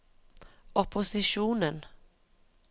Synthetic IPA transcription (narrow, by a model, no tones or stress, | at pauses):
ɔpʰʊsɪʃuːnən